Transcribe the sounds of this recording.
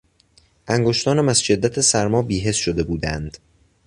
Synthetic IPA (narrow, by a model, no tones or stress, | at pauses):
ʔæŋɡoʃt̪ʰɒːnæmæsʃe̞d̪ːæt̪ʰesæɾmɒːbiːɦe̞sʃod̪e̞buːd̪ænd̪̥